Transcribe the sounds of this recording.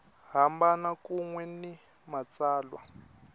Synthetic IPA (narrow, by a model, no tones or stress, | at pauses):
ɦambanakuŋwɛni | mat͡saːlwa̰